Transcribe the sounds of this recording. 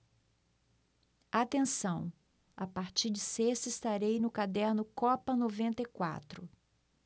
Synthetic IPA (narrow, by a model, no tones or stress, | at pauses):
at̪ẽsɐ̃w̃ | a̰paɾt͡ʃiɾd͡ʒɪsest̪ist̪aɾejnʊkad̪ɛɾnʊkɔpɐnovẽnt̪ɐjkwa̰t̪ɾʊ